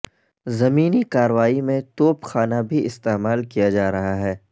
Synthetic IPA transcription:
zɐmiːnikaːɾʋaːimẽt̪oːpxaːnabʱiʔɪst̪eːmaːlkijad͡ʒaːɾɐɦaɦɛː

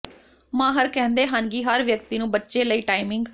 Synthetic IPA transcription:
mãːɦəɾkɛ̃ːnd̪eːɦənɡiːɦəɾʋjək̚t̪iːnũːbətːʃeːləiːʈaːɪmɪ̃ŋɡ

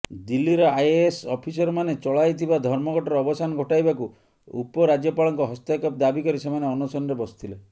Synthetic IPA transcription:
d̪ilːiɾɔajesɔpʰisɔɾɔmanet͡ʃɔɭajt̪ʰibad̪ʱɔɾmɔɡɔʈɔɾɔbɔsanɔɡʱɔʈajbaku | ṵpɔɾad͡ʒjɔpaɭɔŋkɔɦɔst̪akɔpd̪abikɔɾisemaneɔnusɔnɾebɔst̪ʰile

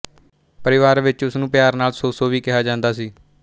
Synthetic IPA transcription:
pəɾɪʋaːɾʋɪt͡ʃʊsnũːpjaːɾnaːlsoːsoːʋiːkɪɦaːd͡ʒãːnd̪aːsiː

